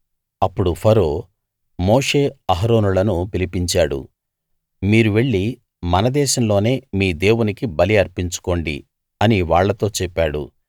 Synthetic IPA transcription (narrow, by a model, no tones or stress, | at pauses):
ɐpːuɽupʰɐɾo̞ː | mo̞ːʂe̞ːɐɦɐɾo̞ːnulɐnupilipiɲt͡ʃaːɽṵ | miːɾuʋe̞ɭːi | mɐnɐd̪ɛːʃɐmlo̞ːne̞ːmiːd̪e̞ːwunikibɐliɐɾpiɲt͡ʃu̥ko̞ːɳɖḭ | ɐniʋaːɭːɐt̪o̞ːt͡ʃɛpːaːɽṵ